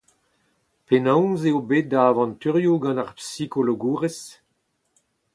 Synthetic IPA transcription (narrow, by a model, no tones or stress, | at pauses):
penɔ̃wzeobet̪̚d̪aːvɑ̃nt̪yʁjuɡɑ̃naʁpsikoloɡuːʁes